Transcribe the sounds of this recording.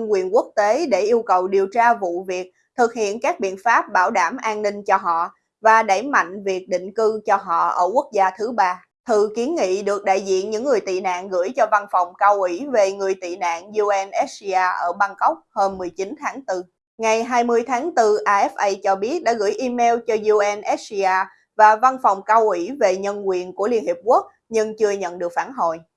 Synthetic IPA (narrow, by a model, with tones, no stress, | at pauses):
ŋkwḭ˧˨ənku˦˥ək̚t̪e˨˦ɗe˧˩ʔi˧əwkə˨˩wɗi˨˩əwt͡ɕaː˧vṵ˧˨vi˨˩ək̚ | t̪ʰɨ˨˩k̚hḭ˧˨ənkaː˦˥k̚ɓḭ˧˨ənfaː˦˥p̚ɓaː˧˩wɗaː˧˩mʔaː˧nnï˧ŋ̟t͡ɕɔ˧ɦɔ̰˧˨ | vaː˨˩ɗa˧˩jma̰˧˨jŋ̟vi˨˩ək̚ɗḭ̈˧˨ŋ̟kɨ˧t͡ɕɔ˧ɦɔ̰˧˨ʔə̰ː˧˩ku˦˥ək̚zaː˧t̪ʰɨ˨˦ɓaː˧ | t̪ʰɨ˨˩ki˨˦ənŋḭ˧˨ɗɨ˨˩ək̚ɗa̰ː˧˨jzḭ˧˨ənɲɨ̰˧˥ŋːɨ˨˩əjt̪ḭ˧˨na̰ː˧˨nɣɨ̰˧˥jt͡ɕɔ˧va˧nfɔ˨˩wŋ͡mkaː˧wʔi˧˩ve˨˩ŋɨ˨˩əjt̪ḭ˧˨na̰ː˧˨nzu˧ʔɛ˧nʔɛ˦˥si˧aː˧ʔəː˧˩ɓaː˧ŋkə˦˥wk͡p̚həː˧mːɨ˨˩əjt͡ɕi˨˦nt̪ʰaː˨˦ŋt̪ɨ˧ | ŋa˨˩jɦaː˧jmɨ˧əjt̪ʰaː˨˦ŋt̪ɨ˧ʔaː˧ʔɛ˦˥fʔə˧jt͡ɕɔ˧ɓi˦˥ət̚ɗa̰ː˧˥ɣɨ̰˧˥əjʔi˧mɛ˧wt͡ɕɔ˧zu˧ʔɛ˧nʔɛ˦˥t̚si˧aː˧ | vaː˨˩va˧nfa˨˩wŋ͡mkaː˧wʔwi˧˩ve˨˩ɲə˧nkwḭ˧˨ənku˧˩əli˧ənhi˨˩p̚ku˦˥ək̚ | ɲɨ˧ŋt͡ɕɨ˧əɲə̰˧˨nɗɨ˨˩ək̚faː˧˩nɦo̰˧˨j